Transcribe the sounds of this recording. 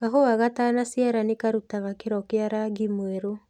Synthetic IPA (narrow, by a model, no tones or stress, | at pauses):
ɣaɣoaɣatanasjaɾanekaɾutaβakeɾɔkeaɾaɡimwɛɾo